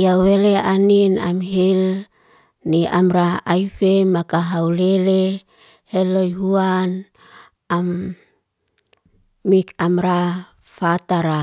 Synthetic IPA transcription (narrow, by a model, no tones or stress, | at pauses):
jaweleaninamɦil | niʔamɾaaifemakaɦaulele | helojɦuan | am | ikamɾa | fat̪aɾa